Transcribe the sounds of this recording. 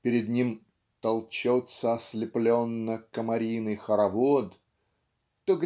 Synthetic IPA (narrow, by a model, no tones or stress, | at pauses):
pʲɪɾʲɪd̪nʲim | t̪ɐlˠt͡ɕot̪səɐsʲlʲɪplʲonːəkəmɐɾʲijnɨjxəɾɐvod̪ | t̪oɡ